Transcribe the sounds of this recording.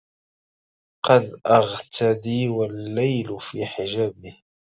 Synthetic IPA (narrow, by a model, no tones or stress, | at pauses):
qɑnʔaɣt̪ʰad̪iːwalːajlfiːħɪʒæːbɪh